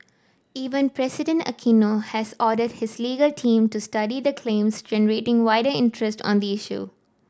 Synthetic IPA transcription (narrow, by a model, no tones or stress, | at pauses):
iːʋə̃npɾɛsɪɖə̃ɳʈə̰kʰĩːnohæzɔːɖəɖhɪzliːɡəlʈʰĩːmʈusʈʌɖid̪əkʰlẽːmsd͡ʒɛnəɾeːʈɪ̃ŋʋaɪɖəɾɪ̃nʈɾəsʈɔ̰̃ːnd̪iɪʃṵ